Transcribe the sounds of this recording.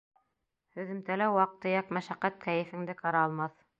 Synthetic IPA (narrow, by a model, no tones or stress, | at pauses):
hɵ̆ðɘ̆mt̪ælæwɑq̚t̪ɤ̆jɑqmæʃæqːæt̪̚kæjɘ̆fɘ̆ŋd̪ɘqɑɾɑːlˠmɑθ